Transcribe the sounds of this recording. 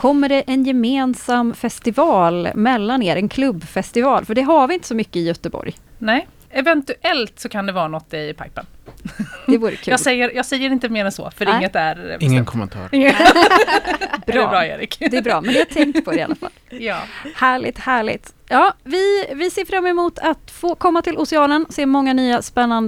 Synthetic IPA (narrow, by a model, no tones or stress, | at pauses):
kʰɔmːəɖɛʔɛnjɛmeːnsamːfɛst̪ɪvɑːlmɛlːaneːɾɛnkʰlɵbːfɛst̪ɪvɑːlfœɖɛɦaɾvɪɪnt̪əsɔmʏkːəɪjœt̪əbɔ̰ɾj | nɛ | ɛvɛnt̪ʉʔɛlt̪sɔkʰand̪ɛvɑːɾanɔt̪ːɪpʰa̰jpən | d̪ɛvuːɾə̰ʉɑːɡ̪sɛjːəɾjɑːɡsɛjːəɾɪnt̪əmeːɾɛnsɔ̰fœɾɪŋːət̪æɾɪŋːənkʰɔmənt̪ʰɑ̰ːɾ | bɾbɾɑːḛːɾɪ̰kd̪ɛæɾbɾɑːmɛnd̪ɛhat̪ʰɛŋkt̪pʰɔɾɪa̰la̰fa̰lːjɑːhæːɭɪ̰t̪hæːɭɪ̰t̪ | jɑːvɪvɪseːfɾamːɛmuːt̪ʰat̪foːkʰɔmːat̪ʰɪlʔʊsɪɑːnənseːmɔŋːanyːaspɛnːand̪